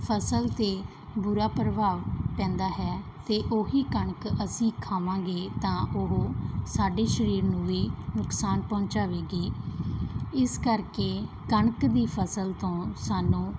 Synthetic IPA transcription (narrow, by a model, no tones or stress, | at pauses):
pʰəsəlt̪eː | bʊɾaːpɾəbʱaːʋpɛ̃ːnd̪aːɦɛːt̪eːʔoːɦiːkəɳəkəsĩːkʰaːʋãːɡeːt̪ãːʔoɦoːsaːɖeːʃəɾiːɾnũːʋiːnʊksaːnpɔ̃ːt͡ʃaːʋeːɡiː | ɪskəɾkeː | kəɳəkd̪iːpʰəsəlt̪õːsaːnũː